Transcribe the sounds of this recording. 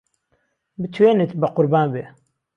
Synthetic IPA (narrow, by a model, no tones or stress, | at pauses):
bɨt̪ʰweːnɨt̪bɨqʊɾbaːnbe